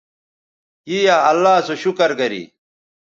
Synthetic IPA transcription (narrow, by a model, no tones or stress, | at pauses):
ijaːɐlːaːsoɕukɐɾɡɐɾḭ